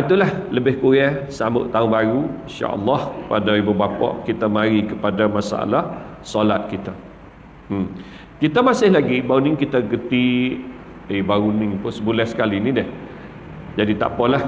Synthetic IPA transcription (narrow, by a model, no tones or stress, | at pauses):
ant̪ulahləbɪhkuɾɛsamʊ̰ʔt̪auŋbaɾuinʃa̰ʔə̰lːɑhkəpadaibubapɔ̰ʔkit̪amaɾikəpadamasa̰a̰lahsɔlat̪̚kit̪a | kit̪amasɪhlaɡibaunɪŋkit̪aɡət̪i | ebaɣunɪŋpʊsəbulɛhsə̥kalinĩdɪh | d͡ʒadit̪a̰ʔpɔlah